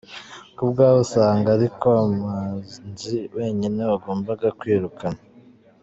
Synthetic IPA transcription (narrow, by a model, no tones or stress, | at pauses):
kubɡaːβusaːŋɡaɾiko̞amaːznziwʔe̞ːɲine̞waɡo̞ːmbaɡakwiːɾukana